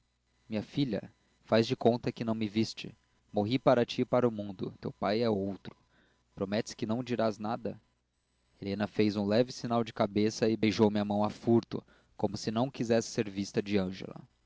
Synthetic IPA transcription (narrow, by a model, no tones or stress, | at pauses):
mĩɲɐfiʎɐ̰ | fazd͡ʒɪkõnt̪ɐkɪnɐ̃w̃mɪvist͡ʃɪ | moɦipaɾɐt͡ʃipaɾʊmũnd̪ʊ̰t̪ewpajɛowt̪ɾʊ̥ | pɾomɛt͡ʃ̪ɪ̥skɪnɐ̃w̃d͡ʒiɾaznad̪ɐ | elẽnɐfejzũlɛvɪsinawd͡ʒɪkabesɐɪbejʒowmɪɐmɐ̃w̃afuɾt̪ʊ̰ | kõmʊsɪnɐ̃w̃kizɛsɪ̥seɾvist̪ɐd͡ʒɪɐ̃ʒḛlɐ̰